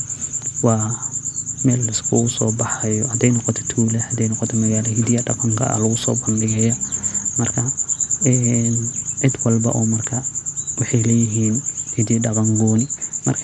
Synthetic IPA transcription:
wɑː | mɛːlɪskʰʊʊsɔ̰ːbɑħɛjɔhɐd̪ɛjnɔqɔt̪ʰɔ̥t̪ʰuːlɛhɐd̪ɛjnɔqɔt̪ʰɔmɐɣaːlɐhɪd̪ɪjɐɖɐqɐŋkʰɐ̰ɐ̰lɐɣʊsɔ̰ːbɐndɪɣɐjɐmɐrkʰɐɛnʕɪd̪wɑlbɐ̰ʔɔːmɐrkʰɐwɑħɑjlɛːjɪɦiːnhid̪ɛɖɐbɐŋɡɔːnɪmɐ̰rkʰ

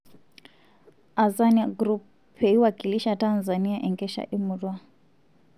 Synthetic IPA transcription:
azaniaɡɾup | pʰeiwaɡʼiliʃatanzaniaʔɛŋɡʼɛʃa̰ʔimuɾwa

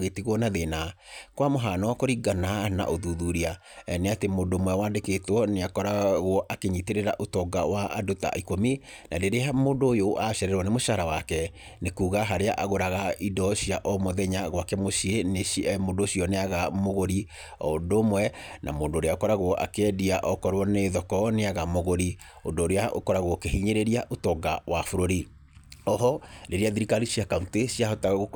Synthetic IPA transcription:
ɣetiɣwɔnaðenakwamoɦanɔkɔɾiɡanana̰ʔoðuðuɾia | neatemoːdomwɛwaːndeketwɔneakɔɾaɣwɔʔakeɲiteɾeɾa̰ʔotɔɡawaʔa̰dota̰ʔikomi | nadeɾeamoːndoːjoʔaʃɛɾɛɾwɔnemoʃaɾawakɛ | nekuːɣaɦaɾeaʔaɣoɾaɣaidɔɕiaʔɔmoðɛɲaɣwakɛmoʃienemoːndoɕiɔneaɣamoɣoɾi | ɔ̰domwɛna̰moːndoːɾeaokɔɾaɣwɔʔa̰keɛdiaʔɔkɔɾwɔneðɔkɔneaɣamoɣoɾi | o̰ndoːɾeaʔo̰kɔɾaɣwɔkeɦiɲeɾeɾiaʔotɔɡawafoɾoɾi | ɔɦɔɾeɾeaðiɾikaliɕiakauntesiaɦɔtaɣ

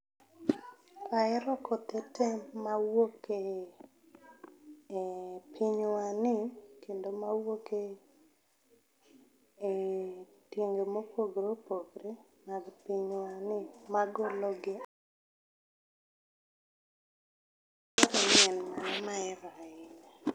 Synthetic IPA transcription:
kaɛɾɔkʰɔtɛtʰemawoke | pʰiɲwanɪkendomawoke | teŋɡemopoɡɾopoɡɾe | maɡpiɲwanɪmaɡoloɡɪ | kɔɾɛɲɛnmamaɛɾaɪne

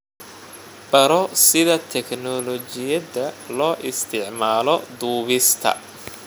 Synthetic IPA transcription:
b̥ɐɾɔsɪðɐt̪ʰɛknɔlɔt͡ʃɪjɐðɐlɔːʔɪst̪ʰɪʕmaːlɔd̪uːβɪst̪ʰɐ̰

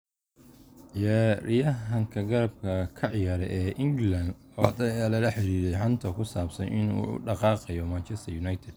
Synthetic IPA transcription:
jɛːrɪjɐɦɐŋkʰɐɡɐɾɐb̚kʰɐkʰɐʕjaːɾɛ̰ʔɛːʔɪŋɡland̪ | ɔd̪ɐɛːlɐlɐħɪɾiːɾɛjħɐnt̪ʰɐkʰʊsaːbsɐnʔɪnṵːʊ̰ɖɑqɑːqɑjɔmant͡ʃʰɛst̪ʰɐjunɐjt̪ʰɛd̪̥̚

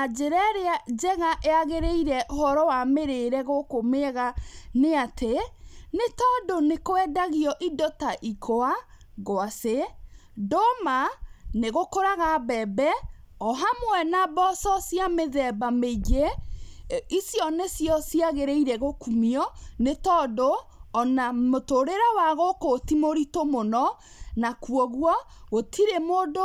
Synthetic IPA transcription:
ad͡ʒeɾɛɾead͡ʒɛɣaʔeaɣeɾeiɾɛʔohɔɾɔwameɾeɾɛɣokomeɣaneatʰenetɔdonekoɛdaɣiɔʔidɔtaʔikʰoa | ɣoase | dɔmaneɣokoɾaɣabɛbɛ | ɔɦamwɛnabɔsɔsjameðɛbameid͡ʒe | isjɔnesjɔsiaɣeɾeiɾɛɣokumiɔnetɔdoː | namotoɾeɾawaɣokotimoɾitomonɔ | nakuɔɣwɔ | ɣotʰiɾemodo

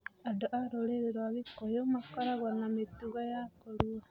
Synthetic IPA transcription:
adoʔaɾoleɾeɾwaβikojomakoɾaɣwanametuɣajakoɾua

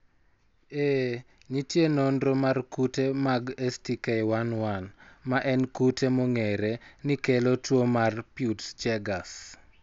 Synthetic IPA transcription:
e | ɲitjenondɾomarkutemaɡestikejwanwanmaʔɛnkutemoŋeɾenɪkelotwomarpjutt͡ʃɛɡas

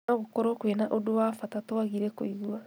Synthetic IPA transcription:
aɣokɔɾɔkwenaʔodowaːfatatoaɣiɾeko̰iɡua

